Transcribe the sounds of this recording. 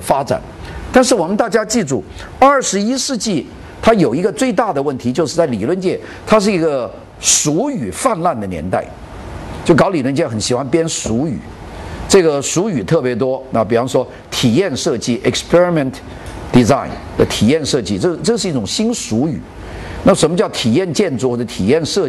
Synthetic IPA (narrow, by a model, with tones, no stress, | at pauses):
fa˥ʈ͡ʂa̰˨˩nt̪a˥˧nʂ̬ɻ̩˥˩wɔ˨˩mə˧nt̪a˥˩t͡ɕja˥t͡ɕi˥˩ʈ͡ʂu˥˩ | ɐ˞˥˩ʂɻ̩˧˥i˥ʂɻ̩˥˧t͡ɕi˥˩ | t̪ʰa˥jo˨˩ʊi˧˥ɡə˧t͡swe˥˧ɪt̪a˥˩d̪ə˩wə˥˩nt̪ʰi˧˥t͡ɕjo˥˧ʊʂɻ̩˥˧t͡sa˥˩ɪli˨˩lwə˥˧nt͡ɕjɛ˥˩ | t̪ʰa˥ʂ̬ɻ̩˥˩i˧˥ɡə˧ | ʂu˧˥y˨˩fa˥˧nla˥˩nd̪ə˩njɛ̰˧˥nt̪a˥˩ɪ | t͡ɕjo˥˩ʊkɑ˧˥ʊli˨˩lwə˥˧nt͡ɕjɛ˥˩xə˧˥nɕi˨˩xwa˥npjɛ˥nʂu˧˥y̰˨˩˦ | ʈ͡ʂɤ˥˩ɡə˩ʂu˧˥y˨˩t̪ʰɤ˥˩pjɛ˧˥t̪̬wɔ˥na˥˩pi˨˩fɑ˥ŋʂwɔ˥ | t̪ʰi˨˩jɛ˥˧nʂɤ˥˧t͡ɕi˥˩ʔɛ˨˩kspʰɛ˥ɹi˧˩mɛ˨ntʰ | d̪̥i˧˩za˥˩ɪnd̪ə˨˩t̪ʰi˨˩jɛ˥˧nʂɤ˥˧t͡ɕi˥˩ʈ͡ʂɤ˥˩ʈ͡ʂɤ˥˧˩ʂɻ̩˥˧i˥˩ʈ͡ʂʊ˨˩ŋɕi˥nʂu˧˥y̰˨˩˦ | na˥˩ʂə˧˥nmə˧t͡ɕjɑ˥˩ʊt̪ʰi˨˩jɛ˥˧nt͡ɕjɛ˥˧nt͡su˥˧xɔ˥˩ə˩t̪ʰḭ˨˩jɛ˥˧nʂɤ˥˧